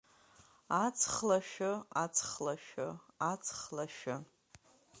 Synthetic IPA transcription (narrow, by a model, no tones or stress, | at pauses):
at͡sʰχlaʃᶣʊat͡sʰχlaʃᶣʊat͡sʰχlaʃʊ